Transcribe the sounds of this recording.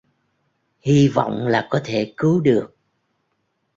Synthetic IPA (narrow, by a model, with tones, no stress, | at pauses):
hi˧vɔ̰˧˨wŋ͡mlaː˨˩kɔ˨˦t̪ʰe˧˩kɨ˨˦wɗɨ˨˩ək̚